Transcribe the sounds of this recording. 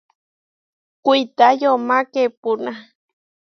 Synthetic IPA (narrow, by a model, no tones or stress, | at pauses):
kʷit̪ajomakepuna